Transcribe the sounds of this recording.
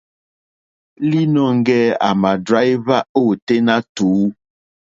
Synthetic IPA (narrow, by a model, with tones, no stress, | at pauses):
li˦nɔ˦˨ŋ˦ɡɛ˦a̰˨ma˨dɾa˦jva˦o˦˨te˦na˦tuː˨˦